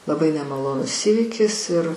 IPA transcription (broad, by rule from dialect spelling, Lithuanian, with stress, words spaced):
lˠɐˈbɐɪ nʲɛmɐˈlˠoːnʊs ˈiːʋʲiːkʲɪs ɪr